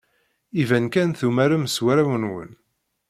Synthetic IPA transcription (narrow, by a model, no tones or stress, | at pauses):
ivænkænθumæɾæmswæɾawənwə̰n